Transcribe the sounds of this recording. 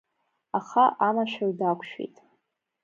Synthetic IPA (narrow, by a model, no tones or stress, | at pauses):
aχaʔanaʃʷᶣardakʷʰʃᶣḛjtʼ